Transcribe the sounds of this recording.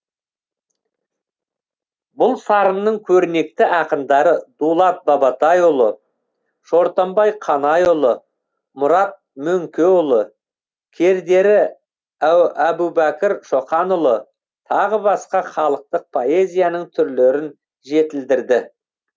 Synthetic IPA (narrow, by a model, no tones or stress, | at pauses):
bʊlˠsɑɾəmnəɴkʲʰɵɾne̞k̚t̪ɪʔɑqəmd̪ɑɾəd̪ulˠɑt̪̚bɑbɑt̪ɑjʊlˠə | ʃo̞ɾt̪ombɑjqʰɑnɑjʊlˠə | mʊɾɑt̪̚mɵŋkʲe̞ʊlˠə | kʲʰe̞ɾd̪e̞ɾɪ | æwæbubækʲɪɾʃo̞χɑnʊlˠə | t̪ʰɑʁəbɑsqɑχɑlˠəq̚t̪əq̚pʰo̞e̞zʲijanəɴt̪ʰʏɾleɾɪn | ʒe̞t̪ɪld̪ɪɾd̪ɪ